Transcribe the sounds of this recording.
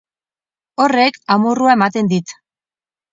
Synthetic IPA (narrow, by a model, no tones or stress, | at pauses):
o̞re̞kamuruae̞mat̪e̞nd̪it̪